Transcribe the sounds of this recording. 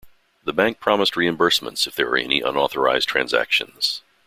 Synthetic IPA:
ðəbæ̃ŋk̚pʰɹ̥ɑməst̚ɹiɨ̃mbɜ˞smə̰̃ntsɨfðə̰˞wə̰˞ɛ̰nḭʔʌ̰̃nɔθə˞aɪztʰɹ̥æ̰̃nzæ̰kʃɨ̰̃nz̥

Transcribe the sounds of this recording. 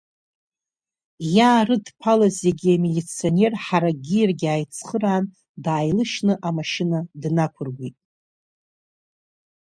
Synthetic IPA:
jaːrɨdpʰalazeɡʲiamelʲit͡sʰio̞ne̞rħaɾaɡʲirɡʲaːjt͡sʰχəɾaːn | daːjlɨʃnɨʔamaʃɪnadnakʷʰʊrɡʷitʼ

